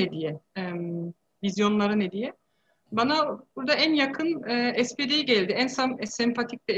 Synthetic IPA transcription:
ɛd̪ijɛm | vizjo̞nlˠaɾɯnɛd̪ijɛ | banabuɾd̪aænjakʰɯnɛːɛsped̪ejiɟælʲd̪iænsanɛsɛmpʰat̪ʰic̚d̪ɛ

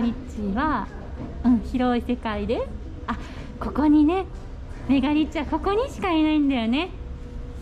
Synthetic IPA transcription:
ɾʲit͡ɕiβa | ɯ̟̃ɴ̃çiɾo̞ise̞kaid̪e̞ | a | ko̞ko̞ɲ̟ine̞ | me̞ɡaɾʲit͡ɕːiβako̞ko̞ɲ̟iɕi̥kainaĩnd̪ajo̞ne̞

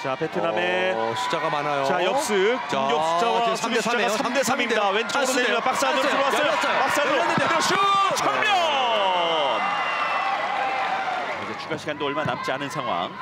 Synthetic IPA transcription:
t͡ɕapʰetʰɯnameɕʰi̥d͡ʑaɡamanajot͡ɕajʌk̚s͈ɯjoɕʰid͡ʑawasʰt͡ɕaɡasʰamdesʰamimɲidawent͡ɕʰʌsep͈ak̚s͈anɯɯɾoas͈ʌjopak̚s͈anɯɾndɕʰit͡ɕʰamjʌ | n | id͡ʑet͡ɕʰuɡaɕʰiɡandoʌɭmana̰mt͡ɕ͈ianɯnsʰaŋɦwa̰ŋ

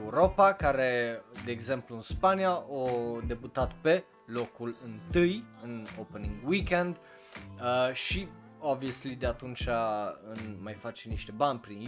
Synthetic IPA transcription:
uɾo̞pakaɾe̞d̪e̞ːɡze̞mpluɨnspanijaʔod̪e̞but̪at̪pe̞ | lo̞kulɨnt̪ɨjɨnopeniŋɡwikend̪ | əʃi | ooabvieslid̪eat̪unt͡ʃaɨnmajfat͡ʃeniʃt̪e̞banʲpɾin

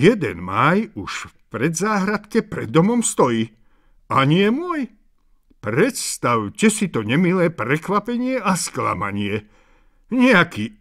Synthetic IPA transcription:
jɛd̪ɛ̰nmajuʃfpɾɛd̪zaːɦɾat̪kɛpɾɛ̰d̪ːɔmɔmst̪ɔjiː | aɲɪɛmʊɔj | pɾɛt̪st̪awcɛsit̪ɔɲɛmilɛːpɾɛkʋapɛɲɪɛʔaskla̰ma̰ɲɪɛ | ɲɛakiː

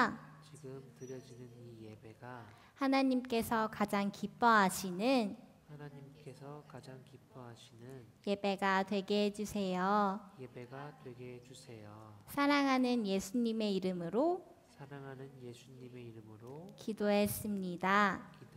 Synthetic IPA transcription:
t͡ɕiɡɯmtɯɾjʌd͡ʑinɯnijebeɡa | hanaɲimk͈e̞sʰʌkad͡ʑaŋkip͈ʌɦaɕʰinɯn | anaɲimk͈esʰʌkad͡ʑaŋkip͈ʌɦaɕʰinɯn | je̞be̞ɡatwe̞ɡeɦed͡ʑusʰe̞jojebeɡatweɡeɦd͡ʑusʰe̞josʰaɾaŋɦanɯnje̞sʰuɲime̞iɾɯmɯɾo | sʰaɾaŋɦanɯnjesʰuɲime̞iɾɯmɯɾokidoɦe̞s͈ɯmɲida

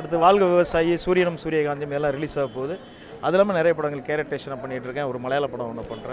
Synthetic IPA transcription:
ɐɽɯt̪̬ːɯʋaːlɣɐʋɪʋɐsaːjisuːɾɪjɐnɐmsuːɾɪjɐɡaːɲd͡ʒ̪ɐɐmɛlːãːɾɪliːsaːɣɯpoːðɯ | ʔɐðɯlːaːmɐnɪɾɐjɐp̬ːɐɽɐŋɡɐɭkeːɾɐʈːeːʂɐnapɐɳːɪʈːɪɾɯkːɛ̃ːɔɾɯmɐɭɐjaːlɐpːɐɽɐ̃ɐnːɐpɐɳɾẽ

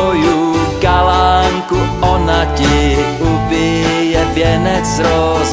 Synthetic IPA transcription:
ojuɡalaŋkuɔnacɪ | ubɪjɛvjɛnɛt͡sɾoz

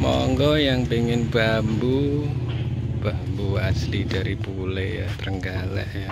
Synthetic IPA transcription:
mɔŋɡɔjaŋpeŋɪnb̥ambu | b̥ambuaslid̥aɾipuleja̰t̪ɾəŋɡalɛ̰ʔja

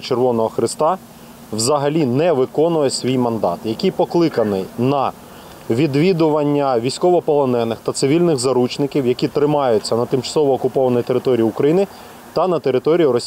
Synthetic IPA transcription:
t͡ʃerʋɔnɔɦɔxɾɪst̪ɑ | wzɐɦɐlʲinɛʋɪkɔnʊjɛsʲʋʲijmɐnd̪ɑ̰t̪jɐkʲijpɔklˠɪkɐnɪjnɐ | ʋʲid̪ʋʲid̪ʊʋɐnʲːɐʋʲijsʲkɔʋɔpɔlˠɔnɛnɪxt̪ɐt̪sɪʋʲilʲnɪɣzɐɾut͡ʃnɪkʲiwjɐkʲit̪ɾɪmɑjʊt͡sʲːɐnɐt̪ɪmt͡ʃɐ̥sɔʋɔːkʊpɔʋɐnɔjt̪eɾɪt̪ɔɾʲijiukɾɐjinɪ | t̪ɐnɐt̪eɾɪt̪ɔɾʲijʊɾɔsʲ

